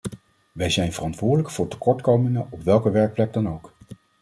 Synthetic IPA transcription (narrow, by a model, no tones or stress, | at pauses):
ʋɛjzɛjnvərɑntʋʊːɹdələkfʊːɹtə̥kɔɹtkowməŋəʔɔpʋɛlˠkəʋɛɹk̚plɛɡ̚dɑnowk